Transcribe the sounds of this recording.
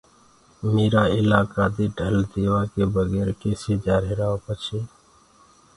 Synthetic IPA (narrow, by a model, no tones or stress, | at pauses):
meːɾaːɪlaːkaːd̪eɖʱəld̪eːʋaːkebəɡeːɾkeːsed͡ʒaːɾeɾaːopət͡ʃʰeː